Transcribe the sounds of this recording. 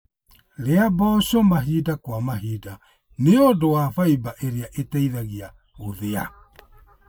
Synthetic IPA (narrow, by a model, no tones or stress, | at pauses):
leabaɔsɔmaɦidakwamaɦida | neodowafaibaʔeɾiaʔetɛiðaɣia | oðea̰